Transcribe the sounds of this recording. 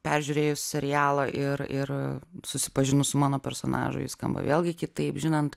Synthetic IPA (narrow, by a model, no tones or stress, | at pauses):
pʲɛɾʲʒʲʊɾʲeːjʊssʲɛɾʲɪjæːlˠɐʔɪɾɪrsʊsʲɪ̥pɐʒʲɪnʊsʊmɑːnoːpʲɛɾso̰ːnɑ̰ːʒʊ̰jɪskɐ̰mbɐ̰ʋʲḛːlʲˠɡʲɪkʲɪt̪ɐɪpʒʲɪnɐnt̪